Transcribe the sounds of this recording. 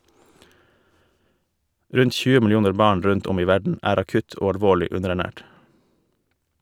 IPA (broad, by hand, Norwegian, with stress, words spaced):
ˈɾʉnt ˈc͡çʉːə mɪlɪˈuːnəɾ ˈbɑːɳ ˈɾʉnt ˈɔm ˈiː ˈʋæɖɳ̩ ˈæːɾ ɑˈkʉt ˈoː ɑlˈʋoːɭɪ ˈʉnəɾæˌɳæːʈ